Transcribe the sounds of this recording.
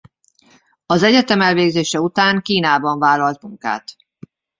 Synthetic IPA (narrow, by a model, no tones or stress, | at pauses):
ɒzɛɟɛt̪ɛmɛlveːɡzeːʃɛut̪aːŋkiːnaːbɒɱvaːlːɒlt̪muŋka̰ːt̪